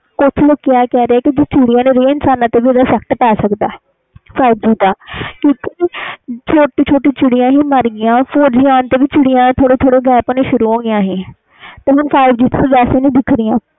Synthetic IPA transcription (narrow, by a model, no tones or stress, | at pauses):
kʊt͡ʃʰlokɪjaːkɛːɾeaːkid͡ʒɪt͡ʃɪɽijãːneːɾeːɪnsaːnãːt̪eːʋiːd̪aːsɛkʈpɛːsəkd̪a̰ː | faːɪbd͡ʒiːd̪aːkjõːkit͡ʃʰoːʈiːt͡ʃʰoːʈiːt͡ʃɪɽɪjãːɦiːməɾɡɪjãːpʰoːɾd͡ʒɪjaːnt̪eːʋɪt͡ʃɪɽɪjãːt̪ʰoːɽeːt̪ʰoːɽeːɡɛːpoːneːʃʊɾuːɦõːɡɪjãːɦeː | t̪eːɦʊnpʰaːɪbd͡ʒiːt̪abɛːseːnĩːd̪ɪkʰɾɪjãː